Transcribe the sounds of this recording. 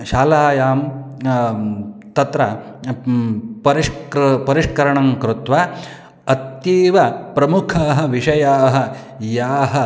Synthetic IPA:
ʃaːlaːjaːm | t̪ɐt̪ɾɐ | pɐɾiʂkɾpɐɾiʂkɐɾɐɳɐŋkɾut̪ʋa | ɐt̪jiːʋɐpɾɐmukʰaːɦɐ̆ʋiʂɐjaːɦɐ̆ | jaːɦɐ

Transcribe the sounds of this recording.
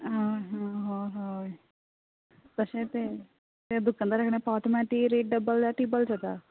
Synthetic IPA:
ɦoɦãɦõːɦo | p̪əʃẽːt̪e | t̪ed̪ʊkːãːd̪aːɾəkʰɽ̃eːpaːt̪mɛ̃ːʈiːɾeːʈ̚ɖəbəld̪aːʈiːbəlt͡ʃət̪a̰ː

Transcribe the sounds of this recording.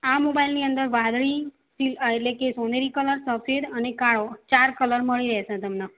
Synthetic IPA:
amobailniənd̪əɾʋad̪ɭi | sileʈlekesoneɾikələɾsəfʰed̪ənekaɭot͡ʃaɾkələɾməɭiɾɛɦʃẽt̪əmna

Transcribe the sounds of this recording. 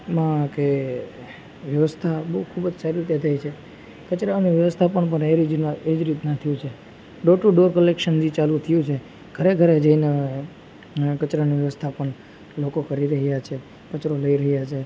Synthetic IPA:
mãke | ʋjəʋəst̪ʰabəɦukʰubd͡ʒsaɾiit̪et̪ʰait͡ʃʰe | kət͡ʃɾaniʋjəʋəst̪ʰapəɳpəɳeɾid͡ʒned͡ʒɾit̪nat̪ʰijũt͡ʃʰe | ɖoʈuɖoɾkəlekʃənd͡ʒit͡ʃalũt̪ʰəjũt͡ʃʰe | ɡ̥ʱəɾeɡʱəɾed͡ʒəine | kət͡ʃɾaniʋjəʋəst̪ʰapəɳ | lokokəɾiɾəɦjat͡ʃʰe | kət͡ʃɾoləiɾəɦjat͡ʃʰe

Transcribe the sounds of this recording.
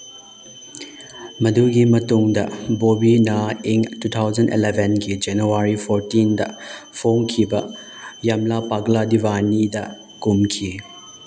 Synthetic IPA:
mɐduɡimɐtuŋdɐbobinaiŋtut̪ʰawd͡ʒɐndḭlebʱenɡid͡ʒenuwaɾipʰoɾtindɐpʰoŋkʰibɐ | jamlapaɡladibanidɐ | kumkʰi

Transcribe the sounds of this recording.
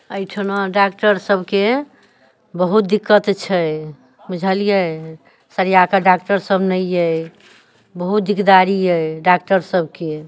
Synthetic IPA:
əjʈʰənaɖakʈəɾsəbʱke | bəɦut̪̚d̪ikːət̪t͡ʃʰɛj | bud͡ʒʱəlijɛ | səɾijakaɖak̚ʈəɾsəbnəjɛ | bəɦut̪̚d̪ikd̪aɾijəɖakʈəɾsəbke

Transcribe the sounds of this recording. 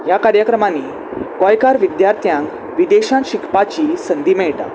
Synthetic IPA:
jakaɾjəkɾəmanːi | kɔjkaɾʋid̪jaɾt̪ʰjãŋk | ʋid̪eɕãnɕikʰpat͡ɕisənd̪imeʈa̰

